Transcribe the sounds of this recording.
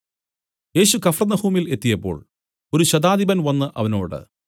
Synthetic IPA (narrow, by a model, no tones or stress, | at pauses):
je̞ːɕukɐfrɐnɐhuːmile̞t̪ːijɐpːo̞̰ːɭ | o̞ɾuɕɐd̪aːd̪ibɐnʋɐnːɨʔɐʋɐno̞ːɽɨ̰